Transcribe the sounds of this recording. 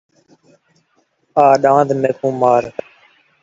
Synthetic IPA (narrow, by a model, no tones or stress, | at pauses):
aːɗãːd̪meːkũːmaːɾ